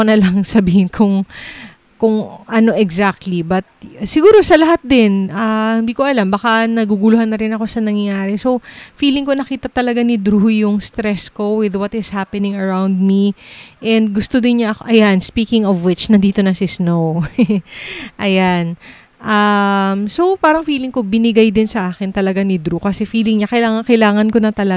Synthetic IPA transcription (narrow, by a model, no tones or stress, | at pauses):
nɐlɐŋsɐbiːhɪnkʰʊŋ | kʊŋʔɐno̞ʔɛɡzak̚t̪libɐt̪̚sɪɡuːɾo̞sɐlɐɦat̪̚d̪ɪnʔɐhɪnd̪iːko̞ʔɐlambɐkanɐɡuɡʊlʊhanːɐɾɪnɐko̞sɐnɐŋjɐjaːɾɛso̞wfiːlɪŋko̞nɐkiːt̪ɐt̪ɐlɐɡanɪd̪ɾuhʊjʊŋst̪ɾɛsko̞wɪðwɐt̪ɪshapɛnɪ̃ŋɐɹawnd̪̚miʔɛnd̪̚ɡʊst̪od̪ɪnɲɐʔɐkoʔɐjanspiːkɪŋɔvwɪt͡ʃnɐnd̪iːt̪o̞nɐsɪsnow | ʔɐjan | ʔɐmso̞wpaːɾɐŋfiːlɪŋko̞bɪnɪɡajd̪ɪnsɐʔaːkɪnt̪ɐlɐɡanɪd̪ɾukɐsɛfiːlɪŋɲakɐjlaːŋɐŋkɐjlaːŋɐnko̞nɐt̪ɐlɐ